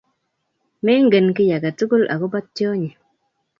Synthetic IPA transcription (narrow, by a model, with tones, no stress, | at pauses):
me˦ŋ˦ɡə˨nki˦ja˨ɡa˨tu˦ɡu˦lʔa̰˨ku˦ba˦t̚to˦ɲi˨